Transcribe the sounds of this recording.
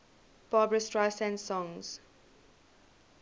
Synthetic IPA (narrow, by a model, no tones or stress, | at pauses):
b̥aːbɹəstɹaɪsɛ̃nsɔ̃ŋz̥